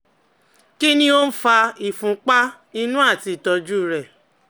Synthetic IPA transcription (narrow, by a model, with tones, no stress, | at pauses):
ki˦nĩ˦o˦n̩˦fa˧i˨fũ˨˦k͡pa˦ | i˧nũ˦a˦˨ti˧˨tɔ˧d͡ʒu˦ɾɛ˨